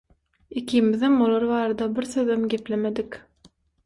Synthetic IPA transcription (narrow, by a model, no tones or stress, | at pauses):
ikʰiːmiðemolˠɑɾβɑːɾɑd̪ɑbiɾθøðemɡʲe̞plemed̪ik